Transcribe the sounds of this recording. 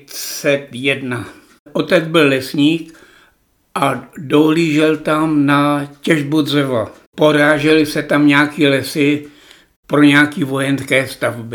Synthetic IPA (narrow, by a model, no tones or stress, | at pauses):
sɛt̪jɛdna | ʔo̞t̪ɛd͡zbɪlːɛsɲiːk | ʔadoɦliːʒɛlt̪amnacɛʒbudzɛva | po̞ɾaːʒɛlɪsɛt̪amɲaːkilɛsɪ | pɾoɲaːkiːvo̞jɛnskɛːst̪avbɪ